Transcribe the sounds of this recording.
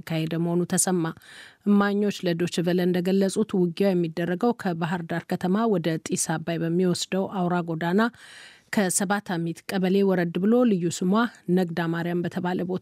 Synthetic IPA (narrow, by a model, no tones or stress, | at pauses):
kʰːahed̪əməho̞nut̪ʰəsəmːaʔɨmːaɲːo̞t͡ʃːləd̪o̞t͡ʃːɨvələɨnd̪əɡəlːəsʼut̪wʊɡijawjɛmːid̪ːərːəɡəwkʰəbaɦɨɾd̪aɾkʰət̪ʰəmawɔd̪ət̪ʼisabajbəmːiwɔsd̪əwʔawɾaɡo̞d̪ana | kʰəsəβat̪ʰamit̪kʼəβəle̞wɔɾəd̪bɨlo̞lɨjːusɨmwanəɡd̪amaɾijambət̪ʰəβaləbo̞t̪